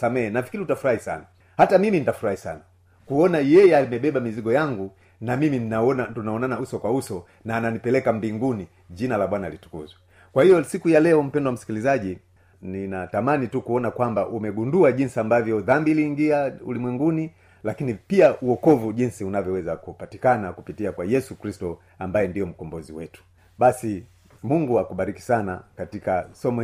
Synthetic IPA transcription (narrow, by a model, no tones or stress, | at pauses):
samɛhɛnafi̥kiɾiutafuɾahisa̰na | hatamiminitafuɾahisa̰na | kuɔnajɛjɛaimɛɓɛɓamiziɡɔjaŋɡu | namiminnaɔnatunaɔnanausɔkwausɔ | naːnanipɛlɛkambiŋɡuni | ʄinalaɓwanalitu̥kṵzwɛ | kwahijɔsikujalɛɔm̩pɛndɔwam̩si̥kilizaʄi | ninatamanitukuɔnakwambaʔumɛɡunduaʄinsiambavjɔðambiːliːŋɡiaṵlimwɛŋɡuni | lakinipiaʔuɔkɔvuʄinsiunavjɔwɛzakupatikanakupitiakwajɛsukɾistɔ | ambajɛndijɔm̩kɔmbɔziwɛtu̥ | ɓasi | muŋɡuakuɓaɾiki̥sana̰katikasɔmɔ